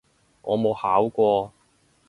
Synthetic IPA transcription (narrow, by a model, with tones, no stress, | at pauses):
ŋʔɔː˨˧mo˨˧whaː˨˥wkʷɔː˧